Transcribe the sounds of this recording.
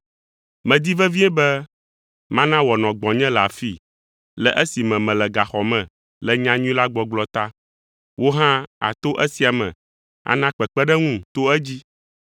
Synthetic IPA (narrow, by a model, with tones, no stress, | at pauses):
mɛ̃˨d̪i˦vɛ˦vi˦ɛ˦bɛ˦ | mã˦nã˦wɔ˨nɔ̃˨ɡ͡bɔ̃˨ɲɛ̃˦lɛ˨a˨fi˦˨ | lɛ˨ʔɛ˦si˨mɛ̃˨mɛ̃˨lɛ˨ɡa˨xɔ˨mɛ̃˨ | lɛ˨ɲã˦ɲũ˦ĩ˦la˦ɡ͡bɔ˨ɡ͡blɔ˦t̪a˦ | wo˦ɦã˦a̰˨t̪o˦ʔɛ˦si˨a˨mɛ̰̃˨ | a̰˨nã˦k͡pɛ˨k͡pɛ˦ɖɛ˦ŋũ˦t̪o˦ɛ˦d͡ʑi˦